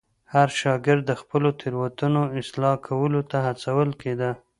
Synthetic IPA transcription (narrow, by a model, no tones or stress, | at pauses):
haɾʃɑɡɪɾd̪ːəxpəlot̪ʰɪɾwat̪unoɪslɑkʰawəlot̪ahat͡sawəlked̪a